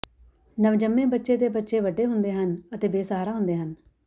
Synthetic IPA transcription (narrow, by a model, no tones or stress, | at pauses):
nəʋd͡ʒəmːẽːbətːʃeːd̪eːbətːʃeːʋəɖːeːɦʊnd̪eːɦənət̪eːbeːsaːɾaːɦʊ̃nd̪eːɦən